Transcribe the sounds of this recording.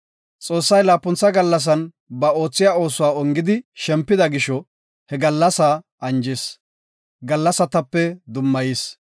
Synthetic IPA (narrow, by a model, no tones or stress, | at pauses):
t͡sʼo̞ːsːɐjlaːpːʊnt͡sːɐɡɐlːɐs̬ɐn | bɐo̞ːt͡sːɪjaːo̞ːsʊwaːɔŋɡɪd̪ɪʃɛmpːɪd̪ɐɡɪʃɔ | hɛɡɐlːɐsaː | ɐnd͡ʒɛs | ɡɐlːɐsɐt̪ɐpːɛd̪ʊmːɐjis